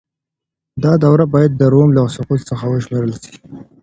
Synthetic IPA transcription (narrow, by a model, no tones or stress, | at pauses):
d̪ɑd̪awɾabɑjad̪̚ːəɾomlasʊqut̪səxawəʃmeɾəlʃi̥